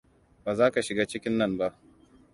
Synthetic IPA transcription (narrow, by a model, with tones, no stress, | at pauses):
baː˨zaː˦ka˨ʃɪ˨ɡaː˦t͡ʃɪ˦kʲɪ˦nːɐ˦˨mba˦ʔ